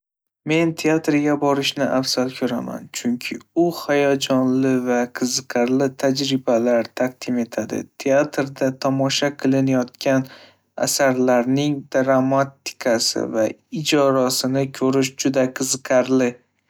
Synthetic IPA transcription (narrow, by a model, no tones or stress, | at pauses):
me̞nt̪ʰeat̪ɾɡʲabɒɾɪʃnɪʔafsalkʲʰɵɾama̰nt͡ʃʰʊŋkʲʰɪʊhajɒd͡ʒɒnlɪvaqʰɨzɨqʰaɾlɪt̪ʰad͡ʒɾɪbalaɾt̪ʰaq̚d̪̥ɪme̞t̪ʰad̪ɪ̰t̪ʰeat̪ɾd̪at̪ʰɒmɒʃaqʰɨlˠɪnajɒt̪kʲʰan | a̰saɾlaɾnɪŋd̪̥ɾamat̪ːɪ̥kʰasɪ̰vaɪd͡ʒɒɾasɪnɪkʲʰɵɾɪʃd͡ʒʊd̪aqʰɨzɨqʰaɾlɪ